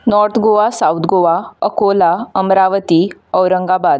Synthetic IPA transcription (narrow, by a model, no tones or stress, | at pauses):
nɔɾt̪ʰɡoʋasawt̪ʰɡoʋaəkolaəmɾaʋət̪iːəwɾəŋɡabad̪